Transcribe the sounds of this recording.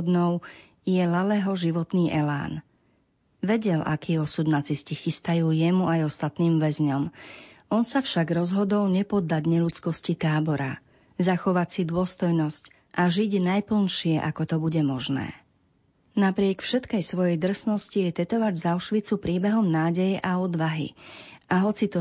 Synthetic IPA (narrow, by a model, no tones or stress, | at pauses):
d̪nɔʊ | jɛlalɛɦɔʒiʋɔt̪niːʔɛla̰ːn | ʋɛɟɛlʔa̰kiːɔsud̪nat͡siscixist̪ajuːjɛmuajɔst̪at̪niːmʋɛzɲɔmɔnsafʃaɡɾɔzɦɔd̪ɔlɲɛpɔd̪ːaɟɲɛʎut͡skɔscit̪aːbɔɾa̰ | zaxɔʋat͡sid̪ʊɔst̪ɔjnɔsc | ʔaʒiɟnajpl̩nʃɪɛʔakɔt̪ɔbuɟɛmɔʒnɛ̰ː | napɾɪɛkfʃɛt̪kɛjsʋɔjɛjd̪r̩snɔscijɛt̪ɛt̪ɔʋaɟzaʊʃʋit͡supɾiːbɛɦɔmnaːɟɛjɛʔaɔd̪ʋaɦḭʔaɦɔt͡sit̪ɔ